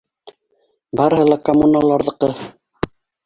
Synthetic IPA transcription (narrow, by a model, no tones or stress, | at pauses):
bɑɾɤ̆hɤlˠɑkomːunalˠɑɾðɤ̆qɤ